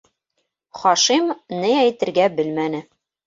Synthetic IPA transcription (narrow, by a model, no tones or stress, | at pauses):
χɒʃimnɘæjt̪ɘ̆ɾɡæbɘ̆lmænɘ